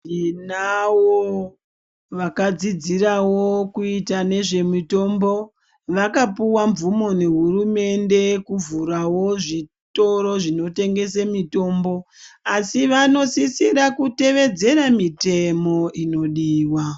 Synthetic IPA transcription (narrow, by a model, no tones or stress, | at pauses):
inawo | ʋakad͡zid͡zirawokuitane̞ʐe̞mito̞mbo̞ | ʋakapuwaɱvumo̞ne̞ɦurume̞nde̞kuvuɾawo̞ʐi | to̞ɾo̞ʐino̞te̞ŋɡe̞semito̞ːmbo̞asiʋano̞sisiɾakute̞ʋe̞d͡ze̞ɾamite̞mo̞ino̞ɗiːwa